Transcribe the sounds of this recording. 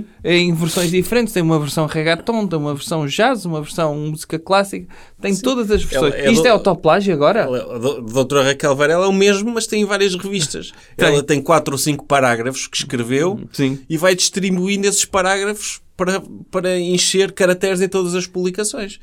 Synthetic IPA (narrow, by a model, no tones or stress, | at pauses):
eɛ̃j̃vɨɾsõj̃ʒðifɾẽnt̪ʃt̪ẽj̃umɐvɨɾsɐ̃w̃ʁɐɣat̪õt̪ɐ̃j̃umɐvɨɾsɐ̃w̃ʒazumɐvɨɾsɐ̃w̃muzi̥kɐklˠasikɐ | t̪ẽj̃t̪oðɐzɐʒvɨɾsɛsõj̃iʃɛat̪ɔplˠaʒɐɣɔɾɐɛɐðoðot̪oɾɐʁɐkɛlˠvɐɾɛlˠɛumeʒmumɐʃt̪ɐ̃j̃vaɾiɐʃʁɨviʃt̪ɐ̰ʃ | ɛlˠɐt̪ɐ̃j̃kwat̪ɾosĩŋku̥pɐɾaɣɾɐfu̥ʃkɨ̥ʃkɾɨvewsĩivajðiʃt̪ɾiβuĩnd̪esʃpɐɾaɣɾɐfu̥ʃpɐɾɐpɐɾɐẽʃeɾkɐɾɐk̚t̪ɛɾzẽt̪oðɐzɐʃpuβlˠikɐsõj̃ʃ